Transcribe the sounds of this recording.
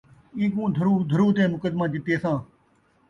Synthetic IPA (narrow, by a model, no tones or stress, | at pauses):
ĩːkũːd̪ʱəɾuːd̪ʱəɾuːt̪ẽːmʊkəd̪mãːd͡ʒɪt̪eːsãː